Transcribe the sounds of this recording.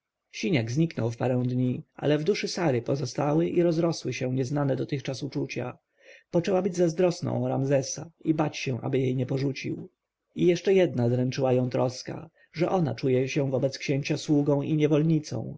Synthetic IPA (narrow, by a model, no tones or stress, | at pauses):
ɕiɲaɡzɲiknɔwfpaɾɛ̃w̃d̪ɲia̰lɛvd̪uʂɘsaɾɘpɔzɔst̪awɘʔiɾɔzɾɔswɘɕɛɲɛznanɛd̪ɔt̪ɘxt͡ʂasut͡ʂut͡ɕa̰ | pɔt͡ʂɛwabɘd͡ʑzazd̪ɾɔsnɔ̰̃w̃ɾamzɛsaibat͡ɕɕɛ̃ʔa̰bɘjejɲɛpɔʐut͡ɕḭw | ijɛʂt͡ʂɛjɛd̪̚nazɾɛnt͡ʂɘwajɔ̃w̃t̪ɾɔska̰ | ʐɛʔɔna̰t͡ʂujɛɕɛvɔbɛt̪skɕeɲt͡ɕaswuɡɔ̃w̃ʔiɲɛvɔlɲit̪sɔ̰̃w̃